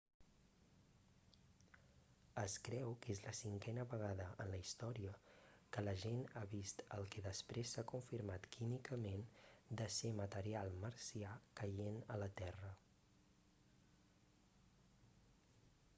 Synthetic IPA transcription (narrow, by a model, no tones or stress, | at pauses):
əskɾɛwkezləsiŋkɛnəβəɣ̞aðəʔənləist̪ɔɾiəkələʒenaβist̪ə̰lˠkɛðəspɾesːakuɱfiɾmat̪kʰimikəmend̪əsemət̪əɾialˠməɾsiakəjenələt̪ɛrə